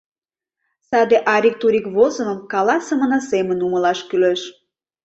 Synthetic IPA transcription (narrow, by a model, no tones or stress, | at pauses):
sɑd̪eʔɑɾʲik̚t̪uɾʲikβozə̆məmkɑlɑsəmə̆nɑsemənuməlɑʃkyløʃ